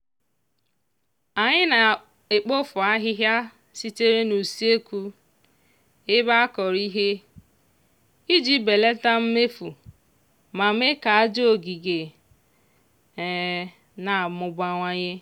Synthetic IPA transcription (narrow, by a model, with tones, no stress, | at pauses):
a˨ɲɪ˦na˨ | e˨k͡po˦fʊ˨a˦ɦɪ˦ɦja˦ | si˦te˦ɾe˦nu˨si˦e˦kʷu˦ | ɪ˦ba˦a˦kɔ˨ɾi˦ɦe˦ | i˦d͡ʒi˦be˨le˦ta˦m̩˦me˦fu˨ | ma˨me˦ka˨a˦d͡ʒo˦o˨ɡi˨ɡe˨ | na˨mʊ˨ɡ͡ba˦ŋʷa˦ɲe˦